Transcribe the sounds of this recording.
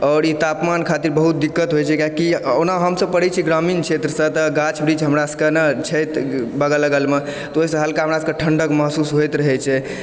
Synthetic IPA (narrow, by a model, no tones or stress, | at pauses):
ɔːɾit̪apmankʰat̪iɾbəɦut̪̚d̪ikːət̪ɦojt͡ʃʰɛkakionaɦəmsəb̚pəɽ̤ɛt͡ʃʰiɡɾaminkʰet̪ɾəsə̃t̪əɡat͡ʃʰbɾid͡ʒɦəmɾasə̥kənət͡ʃʰəjt̪bəɡələɡəlme | t̪ɔoɦisə̃ɦəlkaɦəmɾasəkəʈʰəɳɖəkməɦsusɦojt̪ɾəɦɛt͡ʃʰɛ